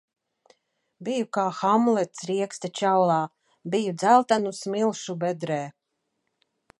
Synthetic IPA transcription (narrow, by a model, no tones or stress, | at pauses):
bijukaːxamlˠɛt̪sɾiɛkst̪at͡ʃawlˠaː | bijud̪zælˠt̪anusmilˠʃubɛd̪ɾɛː